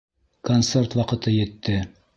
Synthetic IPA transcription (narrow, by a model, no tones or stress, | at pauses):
kont̪sert̪wɑqɤ̆t̪ɤjɘ̆t̪ːɘ